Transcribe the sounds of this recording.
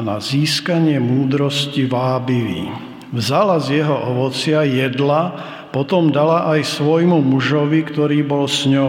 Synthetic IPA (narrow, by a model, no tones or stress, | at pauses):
naziːskaɲɪɛmuːd̪ɾɔsciʋaːbiʋḭː | vzalazjɛɦɔʔɔʋɔt͡sɪajɛd̪la | pɔt̪ɔmd̪alaʔajsʋɔjmumuʒɔʋikt̪ɔɾiːbɔlsɲɔ